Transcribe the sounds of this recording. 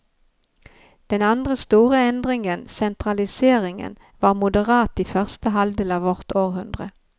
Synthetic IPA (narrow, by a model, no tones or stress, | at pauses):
d̪̥ɛnand̪ɾəst̪uːɾəɛnd̪ɾɪŋənsɛnt̪ɾalɪseːɾɪŋə̰n | vɑɾmʊd̪əɾɑːt̪ɪfœʁst̪əɦalvd̪eːlɑvɔʁt̪oːɾɦɵnd̪ʁə